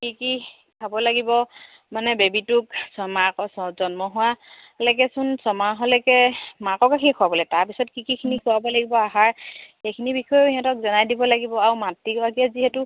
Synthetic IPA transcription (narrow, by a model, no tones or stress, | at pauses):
kiki | bʰʱabɔlaɡibɔ | manɛbebitʊksɔmakɔsɔzɔnmɔɦʊwa | lɛk̬ɛsʊnsɔmaɦɔlɛkɛmakɔkakʰiɛkʰabɔlɛtaɹpisɔt̚kikikʰinikʰɔwabɔlaɡibɔaɦaɹxejkʰinibixɔjɔiɦɛtɔkzɔnajdibɔlaɡibɔaɹumatːikɔakiɛziɦɛtʊ